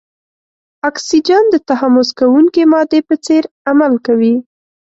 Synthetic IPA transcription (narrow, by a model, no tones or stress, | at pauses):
ɑksid͡ʒand̪ət̪ahamʊzkawuŋkemɑd̪epət͡seɾ | amalkawi